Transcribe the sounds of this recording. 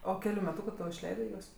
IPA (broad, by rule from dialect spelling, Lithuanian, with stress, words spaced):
oː ˈkʲæːlʲʊ mʲɛˈtuːkʊ toː ɪʃʲˈlʲɛɪdɜ ˈjuɔs